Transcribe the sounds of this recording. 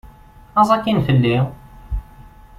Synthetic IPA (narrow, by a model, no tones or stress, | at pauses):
ɑzˤɑkːinfəlːi